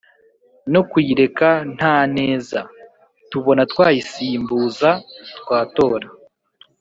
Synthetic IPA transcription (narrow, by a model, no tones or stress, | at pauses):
no̞kwiːɾe̞kan̥haːne̞ːza | tuβo̞natwaːjisiːmbuːzatwaːto̞ːɾa